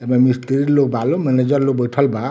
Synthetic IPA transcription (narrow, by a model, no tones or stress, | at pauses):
ɛbamist̪iɾiɾlokbʱalomɛned͡ʒɔɾlok̚bɔjʈʰɔlba